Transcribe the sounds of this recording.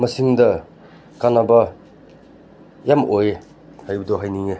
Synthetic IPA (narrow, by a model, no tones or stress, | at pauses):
mɐsiŋdɐ | kanabɐ | jamoje | hajbudoɦajniŋe